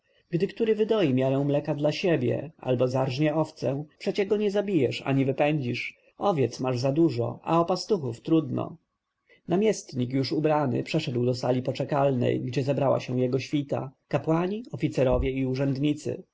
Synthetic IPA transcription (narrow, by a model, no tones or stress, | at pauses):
ɡd̪ɘkt̪uɾɘvɘd̪ɔjimʲjaɾɛw̃mlɛkad̪laɕebʲjɛ̰a̰lbɔzaɾʐɲɛɔft̪sɛpʂɛt͡ɕɛɡɔɲɛzabʲijɛʂa̰ɲivɘpɛɲd͡ʑiʂ | ɔvʲjɛt̪smaʐzad̪uʐɔ̰a̰ɔpast̪uxuft̪ɾud̪nɔ̰ | namʲjɛst̪ɲik̬juʂubɾanɘ̰pʂɛʂɛd̪wd̪ɔsalʲipɔt͡ʂɛkalnɛ̰jɡd͡ʑɛzɛbɾawa̰ɕɛw̃jɛɡɔɕfʲit̪a̰kapwaɲiɔfʲit̪sɛɾɔvʲjɛiuʐɛnd̪ɲit̪sɘ̰